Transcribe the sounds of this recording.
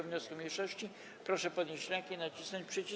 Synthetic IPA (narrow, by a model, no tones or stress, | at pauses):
vɲɔskumʲɲejʂɔɕt͡ɕi | pɾɔʂɛpɔd̪ɲeɕt͡ɕlʲɛŋkʲɛnat͡ɕisnɔt͡ɕpʂɛt͡ɕi